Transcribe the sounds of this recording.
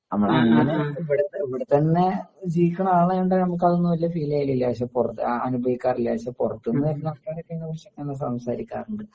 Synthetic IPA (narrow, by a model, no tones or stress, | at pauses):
ɐmːɐɳŋːanʋiɽeɐʋiɽet̪ːɐnːe̞d͡ʑijikʲːɐɳɐmaːɭɐuɳɖanɐmuk̬ːɐðonːuʋɐliːɐfiːlejililjaːɕɐpurɐt̪ːɨɐnubʱɐʋikʲːaːriljaːɕɐpurɐt̪ːunːɐðeɐnɐʈːaːɾekːɐjnːɐʋɐrʂɐkːenːɐs̬ɐmsaːɾikʲːa̰ːruɳɖɨ